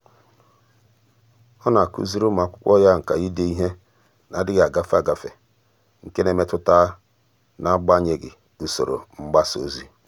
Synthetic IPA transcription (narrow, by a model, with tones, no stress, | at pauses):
ɔ˦na˨kṵ˦zi˦ɾo˦m˨a˨kʷʊ̥˦kʷɔ˦ja˦ŋ̩˨ka˨ji˦de˨i˦ɦe˦ | na˨dɪ˦ɡa˨ɡa˦fa˨ɡa˨fe˨ | ŋ̩˨ke˦ne˨me˦tʊ˦ta˦ | na˦ɡ͡ba˦ɲe˨ɡɪ̰˨ | du˨so˨ɾo̰˨ŋ͡m̩˦ɡ͡ba˦so̰˦zi˦